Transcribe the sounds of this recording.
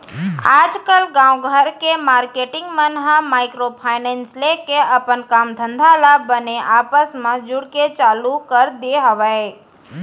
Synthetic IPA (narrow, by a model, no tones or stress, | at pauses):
ad͡ʒkəlɡãwɡʱəɾkemaɾkeʈɪ̃ŋɡmənɦãmajkɾopʰajnenslekeəpəɳkamd̪ʱənd̪ʱalabəneʔapəsmãd͡ʒuɽket͡ʃalukəɾd̪eɦəʋae